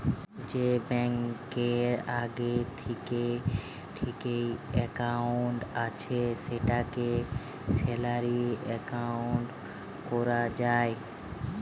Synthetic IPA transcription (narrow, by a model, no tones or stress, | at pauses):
d͡ʑebɛŋkeɾaɡet̪ʰike | ʈʰikejɛkawɳʈat͡ɕʰeʃeʈake | sɛlaɾiɛkawɳʈ | kɔɾad͡ʑae